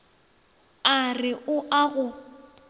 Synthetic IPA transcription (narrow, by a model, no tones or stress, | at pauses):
arɪʔʊʔaɣʊ